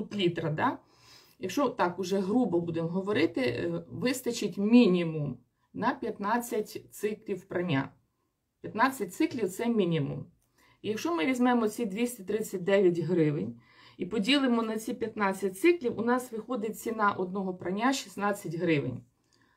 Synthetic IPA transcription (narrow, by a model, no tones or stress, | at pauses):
ʊt̪lʲit̪ɾɐd̪ɑ | jɐkʃt͡ʃɔt̪ɑkʊʒɛɦɾubɔbud̪emɦɔʋɔɾɪt̪ɪʋɪst̪ɐt͡ʃɪtʲmʲinʲimʊm | nɐpʲjɐt̪nɑt͡sʲːɐtʲt̪sɪklʲiwpɾɐnʲa̰ | pʲjɐt̪nɑt͡sʲːɐt̚ʲtsɪklʲiwt̪sɛmʲinʲimṵm | ijɐkʃt͡ʃɔmɪʋʲizʲmɛmɔt͡sʲid̪ʲʋʲisʲtʲɐt̪ɾɪt͡sʲːɐt̚ʲd̪ɛʋʲjɐtʲɦɾɪʋɪnʲ | ipɔdʲilˠɪmɔnɐt͡sʲipʲjɐt̪nɑt͡sʲːɐt̚ʲt̪sɪklʲiwʊnɑsʋɪxɔd̪ɪt̚ʲt͡sʲinɑʔɔd̪̚nɔɦɔpɾɐnʲːaʃi̥snɑt͡sʲːɐtʲɦɾɪʋɪ̰nʲ